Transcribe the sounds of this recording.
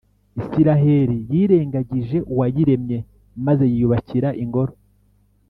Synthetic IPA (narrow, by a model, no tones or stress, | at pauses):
isiɾaɦe̞ɾijiːɾe̞ːŋɡaɟiʒe̞ʔuwajiɾe̞mɲe̞ | maze̞jijuβaciɾaʔiŋɡo̞ɾo̞